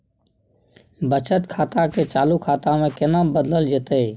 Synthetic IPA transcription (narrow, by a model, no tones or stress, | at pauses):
bət͡ʃət̪kʰaːt̪aket͡ʃaːlukʰaːt̪amẽkenabəd̪ləld͡ʒet̪ə